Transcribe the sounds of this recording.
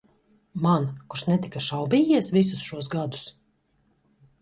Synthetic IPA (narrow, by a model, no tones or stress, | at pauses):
mankuɾʃnɛt̪ikaʃawbiːjiɛsvisʊsʃuɔs̬ɡad̪u̥s